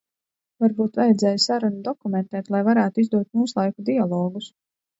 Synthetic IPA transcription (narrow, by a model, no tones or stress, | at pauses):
vaɾbuːt̪vajɛd̪zɛːjsaɾunud̪ɔkumɛnt̪ɛːt̪lˠajvaɾæːt̪uizd̪uɔt̪̚muːslˠajkud̪ialˠɔːɡus